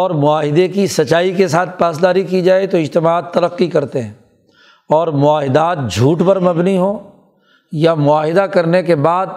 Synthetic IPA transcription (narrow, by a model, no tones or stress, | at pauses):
ɔːɾmʊaːɦɪd̪ekisɐt͡ʃaːikesaːt̪̚ʰpaːs̬d̪aːɾikid͡ʒaːet̪oɪd͡ʒt̪ɪmaːd̪t̪ːɐləqːikɐɾt̪eɦɛ̃ː | ɔːɾmʊaːɦɪd̪aːt̪̚d͡ʒʱuːʈpɐɾmɐbniɦõː | jamʊaːɦɪd̪akɐɾnekebaːd̪̚